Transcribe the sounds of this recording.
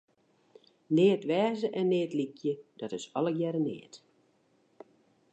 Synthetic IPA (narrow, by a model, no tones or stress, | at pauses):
neːətʋɛːzəʔɛnːɪːətlikʰjəd̥ɔtɪsɔləɡjɛɾənɪ̰ːt